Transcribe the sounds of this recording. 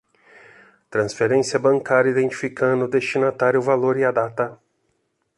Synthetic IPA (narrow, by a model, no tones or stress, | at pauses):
t̪ɾɐ̃sfeɾẽsiɐbɐ̃ŋkaɾɐid̪ẽnt͡ʃi̥fikɐ̃d̪ʊd̪est͡ʃinat̪aɾjʊvaloɾiad̪at̪ɐ